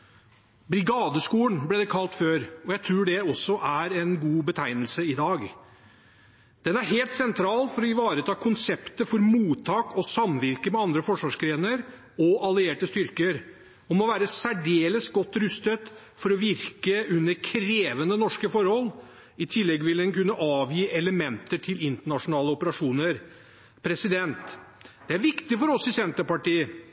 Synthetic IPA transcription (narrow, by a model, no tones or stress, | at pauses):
bɾɪɡɑːd̪əskuːənblɛːd̪ɛkʰɑlt̪føːɾɔjæɪt̪ʰɾuːɖɛɔsːɔʔæɾɛnɡuːbət̪ʰæɪnəlsəɪd̪ɑːɡ | d̪̥ɛnæɾɦeːlt̪sɛnt̪ʰɾɑːlfɔɾɔɪʋɑːɾət̪ʰɑːkʰʊnsɛpt̪əfɔɾmuːt̪ʰːɑːkɔsɑmʋɪɾkəmɛɑnd̪ɾəfɔʂʋɑːʂkɾeːnəɾ | ɔʔɑlɪeːʈəst̪ʏɾkəɾ | ɔmɔʋæːɾəsæɖeːləsɡɔt̪ːɾʉst̪ət̪ | fɔɾɔʋɪɾkəʉnːəɾkʰɾeːʋənənɔʂkəfɔɾhɔl | ɪt̪ʰɪlːɛɡʋɪlɛnkʉnːəʔɑːʋjiːʔɛləmɛnt̪əʈʰɪlɪnt̪əɳɑʂʊnɑːləɔpəɾɑʂuːnəɾ | pʰɾɛsɪd̪ɛnt̪ | d̪̥ɛæɾʋɪkt̪ɪfɔɾɔsɪsɛnt̪əpɑʈiːə